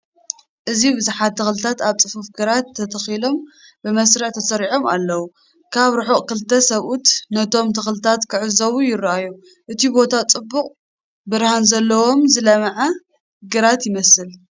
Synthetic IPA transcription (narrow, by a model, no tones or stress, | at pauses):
ʔɨzibɨzuħat̪̚ːɨxlɨt̪ʰat̪aβt͡sʼɨfufɡɨɾat̪ʰːɐt̪ʰɐxilo̞m | bɨmɐsɾɨʕt̪ʰɐsɐɾiʕo̞ma̰lːɐwu | kʰaβɾɨħoʔʼkɨlt̪ʰːɐsɐβut̪nɐt̪ʰo̞mt̪ʰɨxlɨt̪ʰat̪kʰɨʕɨzɐβujɪɾʔaju | ʔɨt̪ʰibo̞t̪ʰat͡sʼɨbːuqʼ | bɨɾhanzɐlːɐwo̞mzɨlɐmɐʕa | ɡɨɾat̪jɪmɐsɨl